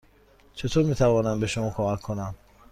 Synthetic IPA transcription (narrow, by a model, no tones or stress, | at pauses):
t͡ʃʰit̪ʰɔɾmit̪ʰavɔnanbiʃumɔkʰɔmakʰːunan